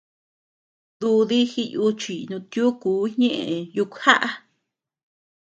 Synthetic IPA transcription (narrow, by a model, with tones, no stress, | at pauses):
ðu˧ði˦xi˧ju˧t͡ʃi˨nũ˧t̪ju˦kuː˨˦ɲẽ˦ʔẽ˨ju˧kha˦ʔa˦